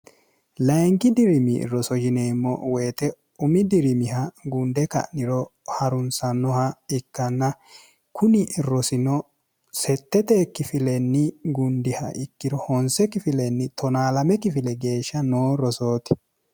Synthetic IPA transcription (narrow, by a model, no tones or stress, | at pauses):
lɐjŋkɪd̪ɪɾɪmɪ̰ɾɔsɔd͡ʒɪneːmːɔ̰wejːt̪ɛ | ʊmɪd̪ɪɾɪmɪhɐɡʊnd̪ɛkɐ̰ʔnɪɾɔ | hɐɾʊnsɐnːɔhɐɪkːɐnːɐ | kʊnɪrɔsɪnɔ | sɛt̪ːɛt̪ekːɪfɪlɛnːɪɡʊnd̪ɪhɐ̰ʔɪkːɪɾɔhɔnsɛkɪfɪlɛnːɪt̪ɔnaːlɐmɛkɪfɪlɛɡe̞ːʃːɐnoːɾɔso̞ːt̪ɪ̥